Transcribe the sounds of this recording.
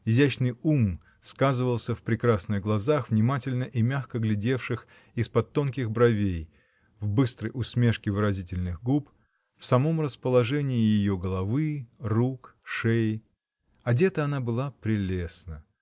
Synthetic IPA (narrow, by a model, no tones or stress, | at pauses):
ɪzʲæt͡ɕnɨjum | skazɨvəlˠsʲəfpɾʲɪkɾasnɨɣɡlˠɐzaxvnʲɪmatʲɪlʲnəʔimʲaxkəɡlʲɪdʲe̞fʂɨx | ɪspɐt̪ːo̞nkʲɪxbɾɐvʲej | vbɨst̪ɾəjʔʊsmʲe̞ʂkʲɪvɨɾɐzʲitʲɪlʲnɨɣɡup | fsɐmo̞mrəspəlˠɐʐɛnʲɪːjɪjoɡəlˠɐvɨrukʂɛj | ɐdʲe̞t̪əɐnabɨlˠapɾʲɪlʲesnə